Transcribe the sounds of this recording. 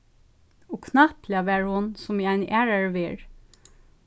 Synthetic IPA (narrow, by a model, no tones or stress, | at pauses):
oːkʰnɑplɪɑʋeːɹhʊnsɔmiːæɪnʔæːɹəɹʋiːɹ